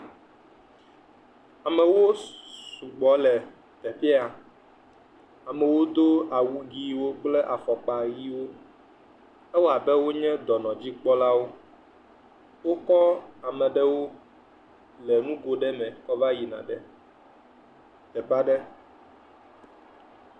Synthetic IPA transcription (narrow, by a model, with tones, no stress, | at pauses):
a˨mɛ̃˨wo˦su˨ɡ͡bɔ˨˦lɛ˨ | t̪ɛ˨fi˦a˨ | a˨mɛ̃˨wo˦d̪o˦a˨wu˨ɡi˦wo˦k͡plɛ˦ʔa˨fɔ˨k͡pa˨ji˦wo˦ | ɛ˦wɔ˦a˨bɛ˦wo˦ɲɛ̃˦d̪ɔ˨nɔ̃˨d͡ʑi˦k͡pɔ˦la˦wo˦ | wo˦kɔ˦a˨mɛ̃˨ɖɛ˦wo˦ | lɛ˨nũ˦ɡo˨ɖɛ˦mɛ̃˨kɔ˦va˦ji˨nã̰˨ɖɛ˦ | t̪ɛ˨pa˦ɖɛ˦